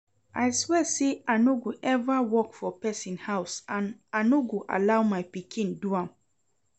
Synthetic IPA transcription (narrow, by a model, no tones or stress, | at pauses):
ʔaɪswɛseanoɡuʔɛvawɔkfɔpɛsĩnhaʊsãnanoɡuʔa̰lawmajpikʰĩnduãm